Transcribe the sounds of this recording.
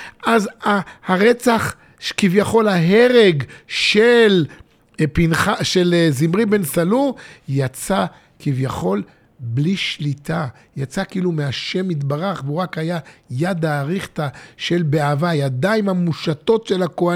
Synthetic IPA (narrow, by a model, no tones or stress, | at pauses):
ʔazahaʁe̞t͡saχ | ʃkivjaχo̞lhaɦeʁe̞ɡʃel | pinχaʃelzimʁibe̞nsalujat͡sa | kivjaχo̞l | bliʃlit̪ʰa | jat͡sakiilumeaʃe̞mit̪baʁaχveuʁakajajad̪aːʁiχt̪aʃe̞lbeavajad̪aimhamuʃato̞tʃelakoa